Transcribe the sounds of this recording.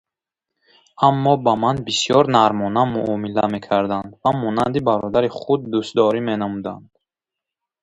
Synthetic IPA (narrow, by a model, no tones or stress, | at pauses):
amːɔbamanbisjɔɾnaɾmɔnamuʔɔmilame̞kʰaɾd̪and̪vamɔnand̪ibaɾɔd̪aɾiχud̪ːust̪d̪ɔɾimenamud̪and̪̥